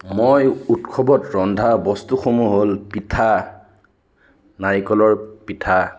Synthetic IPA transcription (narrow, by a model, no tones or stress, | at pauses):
mojutkʰɔbɔtɹɔndʱabɔstuxomuɦolpitʰa | naɹikɔlɔɹpitʰa